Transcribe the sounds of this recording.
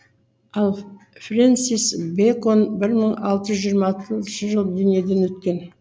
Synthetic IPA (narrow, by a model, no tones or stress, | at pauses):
ɑlˠ | frent̪sijsbekonbɪɾməɴɑ̰lˠt̪əʒzʒijəɾmɑt̪əʃəʒəlˠd̪ʏnije̞d̪e̞nwɵt̪kʲe̞n